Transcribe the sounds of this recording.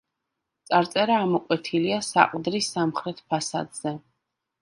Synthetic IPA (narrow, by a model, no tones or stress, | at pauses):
t̪sʼaɾt̪sʼɛɾaːmɔqʼwɛt̪ʰiliasa̰qʼd̪ɾisamχɾɛt̪ʰpʰasa̰d̪z̥ɛ